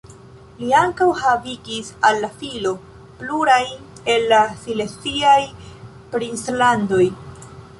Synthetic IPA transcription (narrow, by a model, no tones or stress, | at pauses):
liaŋkawhaviɡisalːafilo̞ | pluɾaj | e̞lːasilet͡siaj | pɾinslando̞j